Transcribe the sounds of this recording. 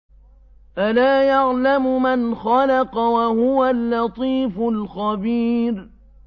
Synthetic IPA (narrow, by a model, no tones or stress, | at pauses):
ʔalaːjaʕlamʊmanxɑlɑqɑwahʊwalːɑt̪ˤiːfʊlxabiːɾ